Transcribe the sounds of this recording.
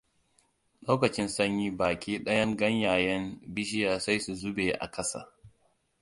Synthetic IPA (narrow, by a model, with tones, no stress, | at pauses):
loː˦kɐ˨t͡ʃɪ˦nsɐ˦ɲji˦baː˨kʲiː˦ɗɐ˦jɐ˦ŋɡɐ˦ɲjaː˨jɛ˦mbɪ˦ʃɪ˦jaː˨sa˦jsu˨zʊ˦beː˨ʔa̰˨kʰɐ˦sa̰ː˨